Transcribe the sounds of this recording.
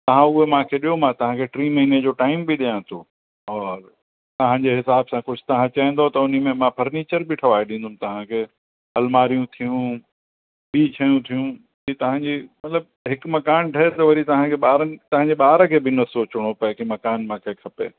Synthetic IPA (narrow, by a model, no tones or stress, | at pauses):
t̪ɐʋ̤ãʊɦemãːkʰeɗijomãt̪ɐʋ̤ãkʰeʈɾiːmɐɦiːned͡ʑoːʈaːɪmbɪɗijãt̪ʰoː | ɔːɾ | t̪ɐɦãɲd͡ʑeɦɪsaːbsãkʊd͡ʑʰʱʊt̪ɐɦãt͡ɕaĩnd̪ot̪ɐʊn̤imẽmãpʰɐɾniːt͡ɕəɾbɪʈʰɐʋaːeɗĩːn̆d̪ʊmt̪ɐʋ̤ãkʰeː | ɦɐlmaːɾijũt̪ʰijũ | biːt͡ɕʰɐjũt̪ʰijũ | it̪ɐɦãːd͡ʑimɐt̪ləb̚ | ɦɪkmɐkaːnʈʰɐɦet̪ɐʋɐɾit̪ɐɦãkʰeɓaːɾənɪ̆t̪ɐɦãɲd͡ʑeɓaːɾəkʰeːbɪnɐsoːt͡ɕʊɽ̃opɐɦɪ̃kʰemɐkaːnmãːkʰekʰɐpḛː